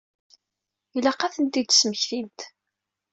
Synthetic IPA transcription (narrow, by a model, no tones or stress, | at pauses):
ilæqæθənt̪id̪sməçθint̪